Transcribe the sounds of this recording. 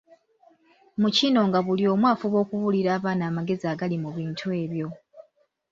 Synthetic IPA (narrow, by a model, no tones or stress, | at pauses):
mucino̞ŋɡaβulio̞ːmwaːfuβo̞ːkuβuliɾaːβaːnaːmaɡe̞ziaːɡalimuβiːntʰue̞ːβjo̞